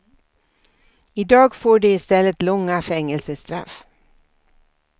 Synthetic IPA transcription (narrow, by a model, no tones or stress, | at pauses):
ɪd̪ɑːɡfoːɖɵɪst̪ɛlːət̪lɔŋːafɛŋːəlsəst̪ɾa̰f